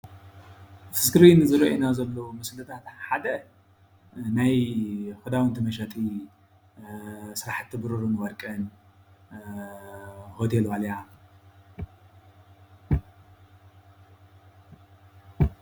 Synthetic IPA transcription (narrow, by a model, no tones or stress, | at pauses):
fɨ̥skɨɾinɨzɨɾɐʔenazɐlːomɐslɐt̪ʰat̪ħad̪ɐ | najhod̪awɨnt̪ʰɨmɐʃat̪ʰʼi | sɨɾaħɨt̪ʰːɨbɨɾoɾunɨwɐɾkʼɐn | hot̪ʰelwaljam